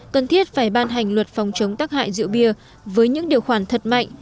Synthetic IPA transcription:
kə˨˩nt̪ʰi˦˥ət̚faː˧˩jɓaː˧nɦa˨˩jŋ̟lwə˨˩t̚fa˨˦wŋ͡mt͡ɕə˨˦wŋ͡mt̪aː˦˥k̚ha̰ː˧˨jzɨ̰˧˨əwɓi˧ə | vəː˨˦jɲɨ̰˧˥ŋɗi˨˩əwxwaː˧˩nt̪ʰə˨˩t̚ma̰˧˨jŋ̟

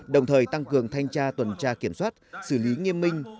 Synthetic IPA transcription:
ɗə˨˩wŋ͡mt̪ʰəː˨˩jt̪a˧ŋkɨ˨˩əŋt̪ʰa˧jŋ̟t͡ɕaː˧t̪wə˨˩nt͡ɕaː˧ki˧˩əmswaː˦˥t̚sɨ˧˩li˨˦ŋi˧əmːï˧ŋ̟

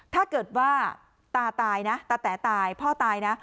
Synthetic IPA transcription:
t̪ʰaː˥˩kɤː˨˩t̪̚waː˥˩ | t̪aː˧t̪aː˧jna˦˥t̪aː˧t̪ɛː˩˦t̪aː˧jpʰɔː˥˩t̪aː˧jna˦˥

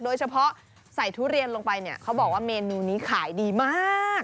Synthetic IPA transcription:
doː˧jt͡ɕʰa˧pʰɔ˦˥ʔ | sa˨˩jt̪ʰuː˦˥ɾi˧ənlo˧ŋpa˧jni˦˥˩ɐkʰa˦˥wbɔː˨˩k̚waː˥˩meː˧nuː˧niː˦˥kʰaː˩˦jdiː˧maː˥˩k̚

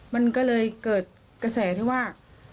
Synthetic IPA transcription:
ma˧nkɔː˥˩lɤː˧jkɤː˨˩t̪̚ | ka˧˩sɛː˩˦t̪ʰi˥˩waː˥˩

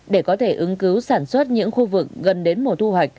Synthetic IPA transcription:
ɗe˧˩kɔ˨˦t̪ʰe˧˩ʔɨ˨˦ŋkɨ˨˦wsaː˧˩nswə˦˥t̚ɲɨ̰˧˥ŋxu˧vɨ˨˩k̚ɣə˨˩nɗe˨˦nmo˨˩t̪ʰu˧ɦwa˨˩jk̟̚

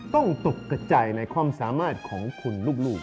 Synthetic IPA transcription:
t̪ɔ˥˩ŋt̪o˨˩k̚kːa˧˩t͡ɕa˨˧jna˧jkʰwaː˧msaː˩˦maː˥˩t̪̚kʰɔː˩˦ŋkʰo˧nluː˥˩k̚luː˥˩k̚

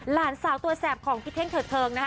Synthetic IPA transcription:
laː˨˦nsaː˨˩˦wt̪u˧ɐsɛː˨˩p̚kʰɔː˨˩˦ŋpʰi˧˥t̪ʰe˥˩ŋt̪ʰɤː˨˩t̪ʰːɤː˧ŋna˦˥

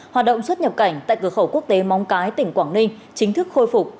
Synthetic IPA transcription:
hwaː˨˩t̚ɗə̰˧˨wŋ͡mswə˦˥t̚ɲə˨˩p̚ka˧˩jŋ̟t̪a̰ː˧˨jkɨ˧˩əxə˧˩ku˦˥ək̚t̪e˨˦mɔ˨˦wŋ͡mkaː˨˦jt̪ï˧˩ŋ̟kwaː˧˩ŋï˧ŋ̟ | t͡ɕï˨˦ŋ̟t̪ʰɨ˦˥k̚xo˧jfʊ˨˩k͡p̚

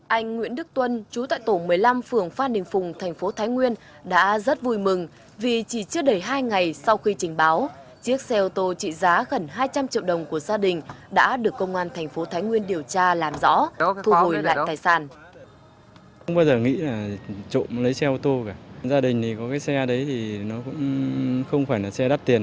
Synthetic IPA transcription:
ʔa˧jŋ̟ŋwḭ˧˥ənɗɨ˦˥k̚t̪wə˧nt͡ɕu˨˦t̪a̰ː˧˨jt̪o˧˩mɨ˨˩əjla˧mfɨ˨˩əŋfaː˧nɗï˨˩ŋ̟fʊ˨˩ŋ͡mt̪ʰɛ˨˩ŋ̟fo˨˦t̪ʰaː˨˦jŋwi˧ən | ɗa̰ː˧˥zə˦˥t̚vu˧˩jmɨ˨˩ŋ | vi˨˩t͡ɕi˧˩t͡ɕɨ˦˥əɗə˨˧˩jɦaː˧jŋa˨˩jsa˧wxi˧t͡ɕï˨˩ŋ̟ɓaː˨˦w | t͡ɕi˦˥ək̚sɛ˧ʔo˧t̪o˧t͡ɕḭ˧˨zaː˨˦ɣə˨˩nɦaː˧jt͡ɕa˧mt͡ɕḭ˧˨əwɗə˨˩wŋ͡mku˧˩əzaː˧ɗï˨˩ŋ̟ɗa̰ː˧˥ɗɨ˨˩əkːə˧wŋ͡mʔaː˧nt̪ʰŋ̟fo˨˦t̪ʰaː˨˦jŋwi˧ənɗi˨˩əwt͡ɕaː˧laː˨˩mzɔ̰˧˥t̪ʰu˧ɦo˨˩jla̰ː˧˨j̪aː˨˩jsaː˧˩n˧ | wŋ͡mɓaː˧wzəː˨˩ŋḭ˧˥laː˨˩t͡ɕo̰˧˨lə˨˦jsɛ˧ʔo˧t̪o˧kaː˧˩zaː˧ɗï˨˩ŋ̟t̪ʰi˨˩kɔ˨˦kaː˨˦jsɛ˧ɗə˨˦jt̪ʰi˨˩nɔ˨˦kʊ̰˧˥ŋ͡mxə˧wŋ͡mfaː˧˩jlaː˨˩sɛ˧ɗaː˦˥p̚t̪i˨˩ən

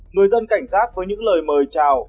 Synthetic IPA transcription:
ŋɨ˨˩əjzə˧nka˧˩jŋ̟zaː˦˥t̚vəː˨˦jɲɨ̰˧˥ŋləː˨˩jməː˨˩jt͡ɕaː˨˩w

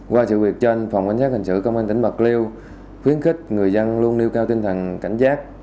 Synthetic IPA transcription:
kwaː˧sɨ̰˧˨wi˨˩ək̚t͡ɕɔ˧a˧jŋ̟fa˨˩wŋ͡mkwa˧jŋ̟saː˦˥k̚hï˨˩ŋ̟sɨ̰˧˨kə˧wŋ͡maː˧nt̪ï˧˩ŋɓə˨˩k̚li˧əw | xwi˨˦ənxï˦˥k̟̚ŋɨ˨˩əjzə˧nlu˧ənːi˧əwkaː˧wt̪i˧ŋ̟t̪ʰə˨˩nka̰˧˩jŋ̟zaː˦˥k̚

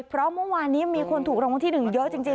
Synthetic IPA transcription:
pʰɾɔ˦˥mɯ˥˩əwaː˧nːiː˦˥miː˧kʰo˧nt̪ʰuː˨˩kɾoː˧wa˧t̪ʰiː˥˩nɯ˨˩ŋjə˦˥ʔt͡ɕi˧ŋt͡ɕi˧

